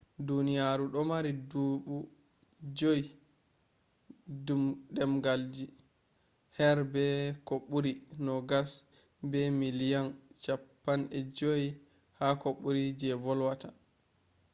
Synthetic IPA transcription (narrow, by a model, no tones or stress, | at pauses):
dunijaɾuɗɔmaɾiduɓu | d͡ʒoj | dumɗɛmɡald͡ʒi | hɛɾbɛkoɓːuɾinɔɡas | bɛmilijɔnt͡ʃapːanʔɛd͡ʒoj | hakoɓːuɾid͡ʒɛvɔlwata